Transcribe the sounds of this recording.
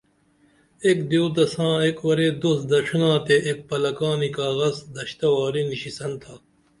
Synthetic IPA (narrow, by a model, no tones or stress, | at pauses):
ekd̪oːd̪ɐsãːekwɐɾeːd̪osd̪ɐʂʰnãːt̪eʔek̚pɐlɐkaːnikaːɣɐzd̪ɐɕt̪ɐwaːɾiniɕisɐnt̪ʰaː